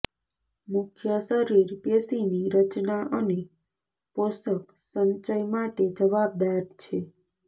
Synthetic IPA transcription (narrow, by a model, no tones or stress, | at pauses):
mʊkʰjəʃəɾiɾkesiniɾət͡ʃnaʔəne | posək | səɲt͡ʃəjmaʈed͡ʒəʋab̚d̪aɾt͡ʃʰe